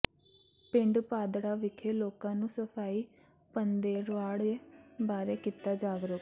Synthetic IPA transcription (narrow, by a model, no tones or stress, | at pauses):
pɪ̃ɳɖpaːd̪ɽaːʋɪkʰeːloːkãːnũːsəpʰaːiː | pənd̪eːɾʋaːɽeːbaːɾeːkit̪aːd͡ʒaːɡɾək